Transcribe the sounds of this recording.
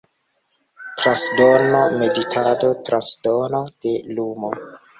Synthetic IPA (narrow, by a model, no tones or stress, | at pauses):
tɾasdonome̞ditʰado̞tɾasdonod̥e̞lumo